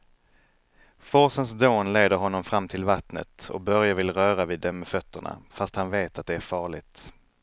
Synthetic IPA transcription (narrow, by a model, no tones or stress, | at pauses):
fɔsəns̬d̪oːnleːd̪əɾɦɔnːɔmfɾamːt̪ʰɪlvat̪nə̰t̪ɔ̰k̚bœɾjavɪlɾœːɾavɪːd̪ːɛmːɛfœt̪ʰːəɳa̰fast̪hanveːt̪at̪̚d̪ɛæɾfɑːɭɪt̪